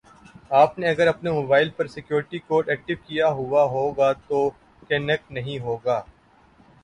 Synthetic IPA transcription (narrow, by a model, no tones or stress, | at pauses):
aːpneɐɡəɾɐpnemoːbaːɪlpɐɾsɪkjoːɾɪʈikoːɾʈɛːk̚ʈɪʋkijaɦʊaɦoːɡat̪oː | kɛːnɛk̚ʈnɐɦĩɦoːɡaː